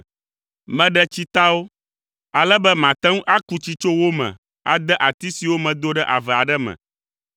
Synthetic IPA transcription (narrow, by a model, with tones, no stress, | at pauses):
mɛ̃˦ɖɛ˦t͡ɕi˦t̪a˦wo˦ | a˨lɛ˦bɛ˦mã˨t̪ɛ˦ŋũ˦ʔa˦ku˦t͡ɕi˦t͡ʃo˦wo˦mɛ̰̃˨ | a̰˨d̪ɛ˦ʔa˨t̪i˦si˨wo˦mɛ̃˨d̪o˦ɖɛ˦ʔa˨vɛ˨a˨ɖɛ˦mɛ̰̃˨